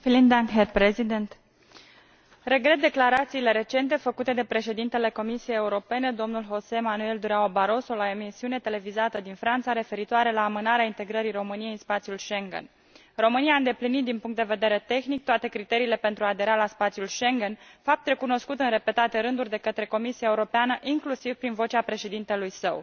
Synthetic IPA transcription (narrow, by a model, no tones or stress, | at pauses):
filind̪aŋɦerpɾezid̪ent̪ | re̞ɡɾet̪̚d̪eklaɾat̪siːle̞ɾe̞t͡ʃe̞nt̪e̞fəkut̪e̞d̪e̞pɾe̞ʃe̞d̪int̪e̞le̞ko̞misie̞jeuɾo̞pe̞ne̞d̪o̞mnulɦo̞seemanue̞ld̪uɾaobaɾo̞so̞laemisiune̞t̪e̞le̞vizat̪əd̪infɾant̪saɾe̞fe̞ɾit̪oaɾe̞laːmɨnaɾeaint̪e̞ɡɾəɾijro̞mɨnije̞jɨnspat̪sijulʃe̞ŋɡḛn | ro̞mɨnijaːɨnd̪e̞plinit̪̚d̪inpuŋkt̪d̪eve̞d̪e̞ɾe̞t̪e̞xnik̚t̪oat̪e̞kɾit̪e̞ɾiːle̞pent̪ɾuad̪e̞ɾalaspat̪sijulʃe̞ŋɡenfap̚t̪ɾe̞kuno̞skut̪ɨnre̞pe̞t̪at̪e̞ɾɨnd̪urʲd̪e̞kət̪ɾe̞ko̞misiaeuɾo̞peanəʔiŋklusiv̥pɾinvo̞t͡ʃeapɾe̞ʃe̞d̪int̪e̞lujsəw